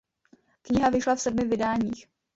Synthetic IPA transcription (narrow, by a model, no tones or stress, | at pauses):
kɲɪɦavɪʃlafsɛdmɪvɪdaːɲiːx